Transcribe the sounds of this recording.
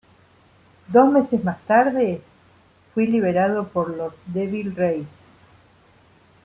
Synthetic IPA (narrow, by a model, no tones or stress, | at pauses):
d̪o̞zmesezmast̪aɾðe | fwiliβeɾaðopoɾlosd̪eβilrejs